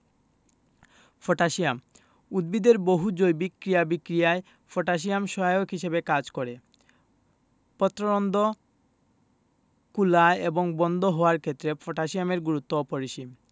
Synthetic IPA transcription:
fʰɔʈaʃiam | ud̪̚bid̪eɾboɦud͡ʑojbikɾijabikɾijae | fʰɔʈaʃ̬iamʃɔokɦiʃebekad͡ʑkɔɾe | pɔt̪ːɾoɾɔnd̪ʱo | kulaeeboŋbɔnd̪ʱoɦɔaɾkʰet̪ːɾefʰoʈaʃiameɾɡuɾut̪ːoɔpoɾiʃim

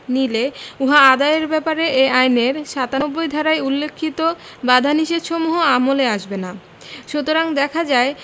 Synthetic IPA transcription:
nileuɦaad̪aeɾbɛpaɾeʔeajneɾʃat̪aobːojd̪ʱɔɾajulːekʰːit̪o | bad̪ʱaniʃed̪ʃomuɦoamoleaʃbena | ʃut̪oɾaŋd̪ɛkʰad͡ʑae

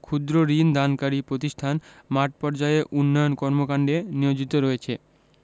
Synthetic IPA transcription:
kʰud̪ɾoɾind̪ankaɾipɾot̪iʃʈʰanmaʈ̚pɔɾd͡ʑaeʔunːojonkɔɾmokaɳɖenijod͡ʑit̪oɾɔet͡ɕʰe

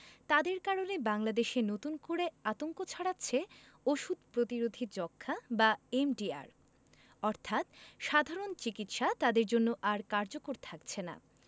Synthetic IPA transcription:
t̪ad̪eɾkaɾonebaŋlad̪eʃenot̪unkoɾeat̪oŋkot͡ɕʰaɽatːɕʰe | oʃud̪̚pɾot̪iɾod̪ʱid͡ʑɔkʰːabaemɖia̰ɾ | ɔɾt̪ʰat̪ʃad̪ʱaɾont͡ɕikit̪ʃat̪ad̪eɾd͡ʑonːoʔaɾkaɾd͡ʑokoɾt̪ʰakt͡ɕʰena̰

